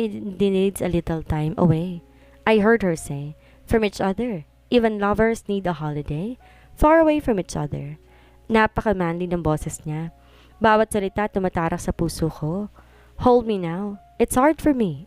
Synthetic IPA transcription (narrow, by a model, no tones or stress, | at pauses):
d̪ɪnd̪sɐlɪt̪ɛlt̪ãɪmʔɐ̰wej | ʔajɦɛɹd̪̚hɛɹseɪ | fɹɐ̃miːt͡ʃɐðɛɹ | ʔivɛ̃nlɐvəɹsniːd̪ɐhalɪd̪eɪ | faːɹɐweɪfɹɐ̃miːt͡ʃɐ̰ðɛ̰ɹ | napɐkɐmaːnlinɐŋboːsɛsɲa | baːwɐt̪sɐlɪt̪at̪ʊmat̪aːɾɐk̚sɐpuːsoːkʰo | holˠd̪̚minaw | ʔɪt̪shaɹd̪fɔɹmi